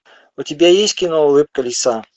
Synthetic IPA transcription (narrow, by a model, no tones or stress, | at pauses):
ʊt̪ʲibʲajesʲt̪ʲkʲinolɨp̚kəlʲɪsa